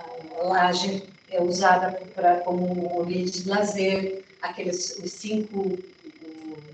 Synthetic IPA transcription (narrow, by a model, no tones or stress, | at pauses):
laʒeɾ | ɛuzad̪ɐpɾɐkõmʊvid͡ʒd͡ʒɪlazeɾ | akelɪssĩŋkʊ